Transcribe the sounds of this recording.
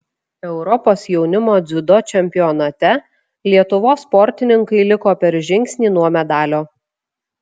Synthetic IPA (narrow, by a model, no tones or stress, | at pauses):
ɛʊɾɔpoːsjɛʊnʲɪmoːd̪zʲʊd̪ot͡ʃʲɛmʲpʲɪjɔnɐt̪ʲɛ | lʲiɛt̪ʊʋoːspɔɾʲt̪ʲɪnʲɪŋkɐɪlʲɪkoːpʲɛɾʒʲɪŋʲksʲnʲiːnuɔmʲɛd̪ɑːlʲoː